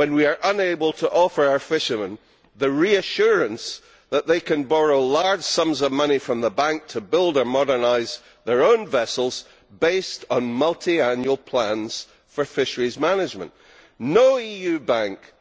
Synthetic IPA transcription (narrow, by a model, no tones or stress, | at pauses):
wə̃nwiə˞ʔə̃neɪbəlˠtʰəʔɔfə˞aʊə˞fɪʃəmə̃n | ðəɹiɨʃʉɹə̃ns | ðəʔðeɪkʰə̃nbɔɹoʊlˠaɹd̥ʒ̥sʌ̃mzʌvmʌnifɹʌ̃mðəbãŋk̚tʰəbɪlˠdə˞mɔdə˞naɪz | ðə˞õnvɛsl̩ˠz̥ | bestn̩mʌlˠtʰiãnjuəl̩ˠpʰl̥ãnz̥ | fə˞fɪʃə˞izmanɪd͡ʒmə̰̃nʔ | noʊijʉbãŋk